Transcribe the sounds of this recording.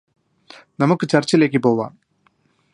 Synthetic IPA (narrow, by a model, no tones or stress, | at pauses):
nɐmukːɨt͡ɕɐrt͡ɕːɐle̞ːk̬ːɨpo̞ːuʋa̰ːm